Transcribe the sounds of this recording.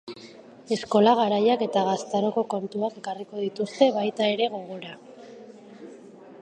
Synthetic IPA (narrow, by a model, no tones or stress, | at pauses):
e̞sko̞laɣ̞aɾajake̞t̪aɣast̪aɾo̞ko̞ko̞nt̪uake̞kariko̞ð̞it̪ust̪e̞βajt̪ae̞ɾe̞ɣ̞o̞ɣo̞ɾa